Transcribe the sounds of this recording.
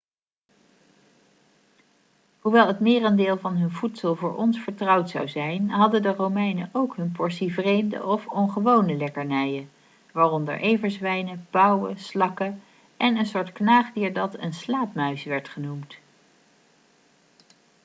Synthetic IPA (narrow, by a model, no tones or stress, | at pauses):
ɦuʋɛlˠɦətmɪːrəndɪːlˠvɑnɦɵnvutsəlˠvʊːɹʔɔnsfəɹtrɑwtsɑ̰wzɛjnɦɑdədərowmɛjnəʔowkɦɵnp̬ɔɹsivrejmdə̰ʔɔfɔnχəʋownəlɛkəɹnɛjən | ʋaːrɔndə̰ɹʔejvəɹsʋɛjnəb̥ɑwə̰slɑkə | ʔɛnənsʊːɹtknaːχdiːɹdɑtənslaːpmœɥsʋɛɹtχənumt